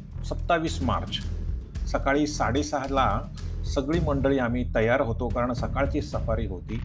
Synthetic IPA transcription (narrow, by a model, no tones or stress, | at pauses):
səpt̪ːaʋiːsma̰ɾt͡ɕ | səkaɭiːsaɽesəɦəla | səɡɭiːməɳɖəɭiːam̤iːt̪əjaɾɦot̪okaɾəɳsəkaɭt͡ɕiːsəfaɾiːɦot̪iː